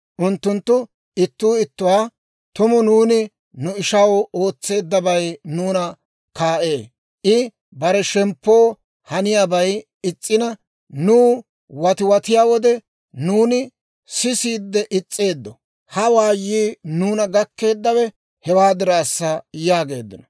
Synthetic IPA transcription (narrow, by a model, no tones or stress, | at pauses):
ʔʊnt̪ːʊnt̪ːʊ | ɪt̪ːuːɪt̪ːʊwaː | t̪ʊmʊnuːnɪ | nʊɪʃɐwo̞ːt͡sːe̞ːd̪ːɐbɐjnuːnɐ | kaːʔe̞ː | ʔɪ | bɐɾɛʃɛmpːo̞ː | hɐnɪjaːbɐj | ɪt͡sʼːɪnɐ | nuː | wɐt̪ɪwɐt̪ɪjaːwɔd̪ɛ | nuːnɪ | sɪsiːd̪ːɛʔɪt͡sʼːe̞ːd̪ːɔ | hɐwaːjːiːnuːnɐɡɐkːe̞ːd̪ːɐwɛ | hɛwaːd̪ɪɾaːsːɐjaːɡe̞ːd̪ːɪnɐ